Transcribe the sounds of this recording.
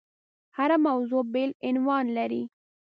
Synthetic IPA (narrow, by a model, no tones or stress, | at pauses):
haɾamawzobelɪnwɑnlaɾi